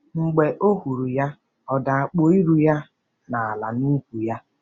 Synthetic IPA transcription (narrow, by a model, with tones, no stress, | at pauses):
ŋ͡m̩˨ɡ͡be˨ʔo˦ɦu˨ɾu˨ja˦ | ɔ˨da˨a˨k͡po˦i˦ɾu˨ja˦ | na˨a˨la̰˨nu˦kʷu˨ja˦